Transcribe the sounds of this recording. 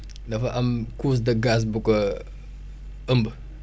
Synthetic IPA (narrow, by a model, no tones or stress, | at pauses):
nɐfɐʔɐmkuːs̬dɐɡas̬bukɐ | əmbə